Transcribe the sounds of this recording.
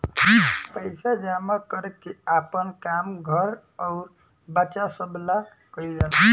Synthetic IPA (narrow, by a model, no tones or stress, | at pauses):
pəjsad͡ʒamakɔɾekːiapənkamɡʱʌɾ | ɔʊɾ | bat͡ʃasəbla | kəid͡ʒal